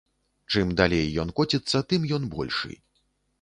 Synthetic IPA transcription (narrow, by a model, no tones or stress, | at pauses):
t͡ʂɨmd̪alʲejːɔnkɔt͡sʲit̪sːɐt̪ɨmjɔnbɔ̰lʲʂɨ̰j